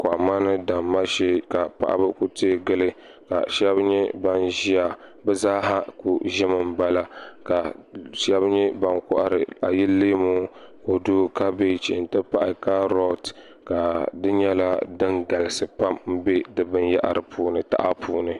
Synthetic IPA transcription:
ka˨ma˦nɨ˦da˨mːa˦ʃeː˦ka˨pa̰˨ʔa̰˦bɨ˦ku˦te˦ɡɨ˦lɨ˦ | ka̰˨ʃɛ˦bɲɛ˦ba˦nʒi˦a˨bɛ˦zaː˦ɦa˦ku˨ʒɪ˦mɨ˦m˦ba˦la˦ka˨ʃɛ˦bɲɛ˦ba˦nkʊ˦ʔa˨ɾɨ˨a˨ji˦leː˦mo˦ko˨do˦ka˦be˦˨t͡ʃi˨ɪ˨ntɨ˦pa˦ʔa˨ka˦ɾɔ˦t | ka˨dɨ˦ɲɛ˦la˦dɨ˦nɡa˨lɨ˨sɨ˨pa˦mm̩˦be˦dɨ˦bɨ˦nja̰˦ʔa̰˨ɾɨ˨pʰuː˦nɨ˨ta̰˦ʔa˦pʰuː˦nɨ˨

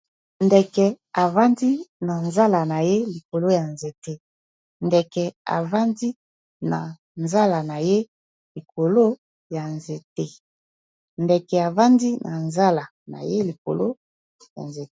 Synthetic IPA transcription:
ndɛ˨kɛ˨ | a˨va˦ndi˦na˨nza˦la˨na˨je˦li˨ko˨lo˦ja˨nze˨te˦ | ndɛ˨kɛ˨a̰˨va˦ndi˦ | na̰˨ | nza˦la˨na˨je˦ | li˨ko˨lo˦ | ja˨nze˨te˦ | ndɛ˨kɛ˨a˨va˦ndi˦nʔa˨nza˦la˨ | na̰˨je˦li˨ko̰˨lo˦ | ja̰˨nze˨˦

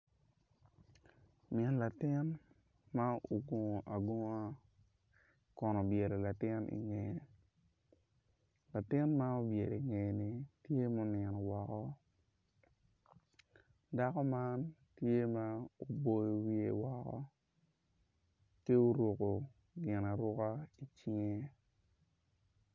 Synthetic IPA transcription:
mjɛ˨nla˨tɪ˦n | ma˦o˨ɡo˨ŋ˨ʔa˨ɡo˦ŋ˦a˦ | kɔ˨nɔ˨bje˨ɾo˨la˨tɪ˦nʔḭ˨ŋɛ˨ | la˨tɪ˦nma˦o˦bje˨de˨ŋe˨ni˨tje˦mo˦nɛ˨nɔ˨wɔ˨kɔ˦ | da˦kɔ˦ma˦ntje˦ma˦o˨bo˨jo˨wi˦ḛ˨wɔ˨kɔ̰˦ | ke˦o˦ɾo˨ko˨ | ɡɪ˨na˨ɾʊ˦ka˦i˨t͡ʃi˦ŋe˦

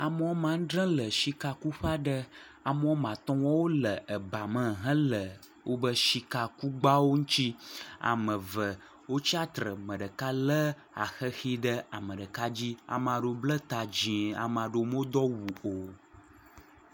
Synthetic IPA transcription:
a˨mə˨o˦mã˨ŋ˦ɖɾə̃˦lə˨ʃi˦ka˨ku˦ɸa˦ɖə˦ | a˨mə˦o˦mã˨t̪ɔ̃˦wɔ˦wo˦lə˨ʔə˨ba˨mə̃˦ɦə̃˦lə˨ | wʔo˦bə˦ʃi˦ka˨ku˦ɡ͡ba˦wo˦ŋũ˦t͡ɕi˦a̰˨mə̃˨və˨ | wo˦t͡ɕi˦a˦t̪ɾə˨mə̃˨ɖə˨ka˦lə˦ | a̰˨xə˦xi˦ɖə˦a˨mə̃˨ɖə˨ka˦d͡ʑi˦a̰˨m˨ã˨ɖo˨blə˦t̪a˨d͡ʑĩ˨a̰˨m˨a˨ɖo˨˦m˦o˦d̪ɔ˦wu˨o˨

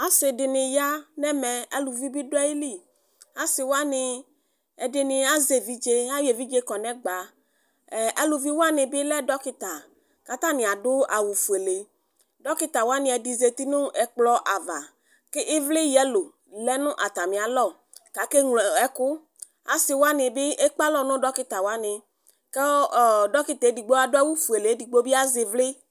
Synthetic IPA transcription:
a˨sɪ˨ɖɪ˨nɪ̃˨ja˦nɛ̃˦mɛ̃˨ɛ˦lu˨vi˦bi˦do˦ɛ˦ji˦li˦˨ | a˦sɪ˨wo˦a˦nɪ̃˨ | ɛ˨ɖɪ˨nɪ̃˨a˦ze˨vi˦d͡ʒe˦a˦je˨vi˦d͡ʒe˦kɔ˨nɛ̃˦ɡ͡ba˨ | ɛ˦lu˨vi˦wo˦a˦nɪ̃˨bɪ˦lɛ˦dɔ˦ki˦t̪a˨ | ka˨t̪ã˦mĩ˨a˨ɖʊ˦a˨wu˨fu˨e˨le˨ | ɖɔ˦kɪ˦t̪a˨wo˦a˦nɪ̃˨ɛ˨di˨ze˨t̪i˦nʊ̃˦ɛ˨k͡plɔ˦ʔa˨va˨ | kɪ˦ʔɪ˦vlɪ˦jɛ˦lo˨ | lɛ˦nʊ̃˦ʔa˨t̪a˨mĩ˨a˨lɔ˦˨ | ka˨ke˦ŋlɛ˦kʊ˦ | a̰˨sɪ˨wo˦a˦nɪ̃˨bɪ˦ʔe˦k͡pa˦lɔ˨nʊ̃˦ɖɔ˦kɪ˦t̪a˨wa˦nɪ̃˨ | ke˦˨ɖɔ˦kɪ˨t̪e˨˦di˨ɡ͡bo˦a˨dʊ˦a˦wu˦fu˨e˨le˨˦di˨ɡ͡bo˦bi˦a˦zɪ˨vlɪ˦

